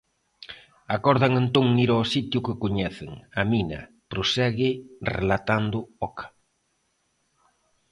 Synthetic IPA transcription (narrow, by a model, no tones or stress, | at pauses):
akɔɾðaŋent̪oŋiɾɔsit̪jʊkɪkoɲɛθɪŋɐminɐ̰ | pɾosɛɣɪrḛlat̪and̪ʊɔkʰḁ